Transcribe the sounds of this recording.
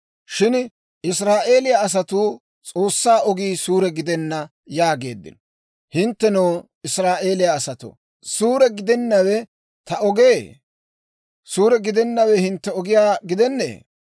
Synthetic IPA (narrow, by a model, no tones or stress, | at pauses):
ʃɪn | ɪsɾaːʔe̞ːlɪjaɐs̬ɐt̪uː | t͡sʼo̞ːsːaːʔɔɡiːsuːɾɛɡɪd̪ɛnːɐ | jaːɡe̞ːd̪ːɪ̰nɔ | hɪnt̪ːɛnoː | ɪsɾaːʔe̞ːlɪjaːsɐt̪o̰ | suːɾɛɡɪd̪ɛnːɐwɛ | t̪ɐɔɡeː | suːɾɛɡɪd̪ɛnːɐwɛhɪnt̪ːɛɔɡɪjaːɡɪd̪ɛnːḛː